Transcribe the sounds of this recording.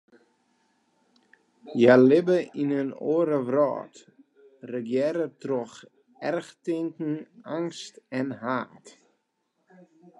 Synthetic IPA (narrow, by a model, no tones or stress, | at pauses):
jalɪbəinəno̰əɾəʋrɔ̰ːt | rəɡjɛɾətrɔx | ɛrχtɪŋkn̩aŋstɛnɦaːt